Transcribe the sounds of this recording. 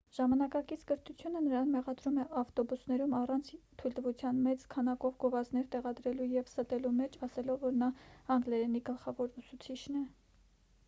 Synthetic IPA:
ʒ̥ɑmɑnɑkɑkit͡sʰkəɾt̪ʰut͡sʰjunənəɾɑnmɛʁɑd̪ɾumɛʔɑft̪ɔbusnɛɾumɑrɑnt͡sʰt̪ʰujld̪əvut͡sʰjɑnmɛt͡skʰɑnɑkɔvɡɔvɑznɛɾt̪ɛʁɑd̪ɾɛlujɛvsət̪ɛlumɛt͡ʃʰɑsɛlɔvːɔɾnɑɑŋɡlɛɾɛniɡəlχɑvɔɾusut͡sʰit͡ʃʰnɛ

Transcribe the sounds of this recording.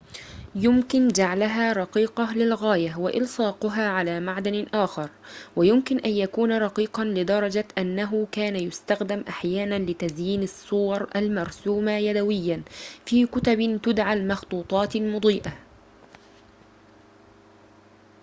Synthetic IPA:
jʊmkɪnd͡ʒaʕlaɦaːɾˤɑqiːqɑlɪlɣaːjawaʔɪlsˤɑːqʊɦaːʕalaːmaʕd̪anɪʔaːxɑɾˤwajʊmkɪnʔanjakuːnɾˤɑqiːqɑnlɪd̪ɑɾˤɑd͡ʒaʔanːaɦʊkaːnajʊst̪axd̪amʔaħjaːnanlɪt̪azjiːnɑsˤːʊwɑɾˤʔalmɑɾˤsuːmajad̪awɪjːanfiːkʊt̪abɪt̪ʊd̪ʕalmɑxt̪ˤuːt̪ˤɑːt̪lmʊd̪ˤiːʔa

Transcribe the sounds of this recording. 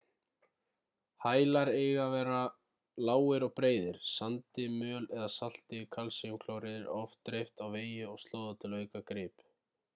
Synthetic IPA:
haːjlaɾeːjɣavɛːɾa | laːwɪɾɔɣpɾeːjðɪɾ̥sant̪ɪmœːlɛðasal̥t̪ɪkʰalsiʏmkʰloːwɾɪðɪɾɔft̪ɾejft̪awveːjɪɔɣst̪loːwðat̪ʰɪlœːɥkakɾɪːp

